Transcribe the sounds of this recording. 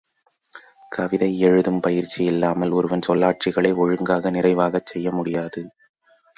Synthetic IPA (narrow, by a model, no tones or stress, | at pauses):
kɐʋɪðɐɪɛɻɯðɯmpɐjɪɾt͡ʃːijɪlːaːmɐlɔɾɯʋɐnsɔlːaːʈ̚t͡ʃɪɣɐɭɐɪɔɻɯŋɡaːɣɐnɪrɐɪʋaːɣɐt͡ʃːɛjːɐmʊɽɪjaːðɯ